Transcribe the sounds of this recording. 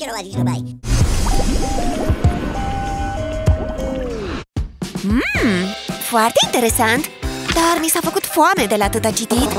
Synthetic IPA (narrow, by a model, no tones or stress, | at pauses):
foart̪e̞int̪e̞ɾe̞sant̪d̪armisafəkut̪foame̞d̪e̞lat̪ɨt̪at͡ʃit̪it̪